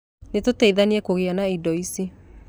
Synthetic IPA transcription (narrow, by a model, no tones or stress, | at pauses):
netotɛiðaniɛkoɣeanaidɔisi